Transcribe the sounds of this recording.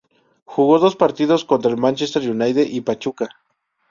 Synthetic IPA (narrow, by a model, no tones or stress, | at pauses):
xuɣoðospaɾt̪iðoskont̪ɾalmant͡ʃest̪eɾjunajðeʔipat͡ʃuka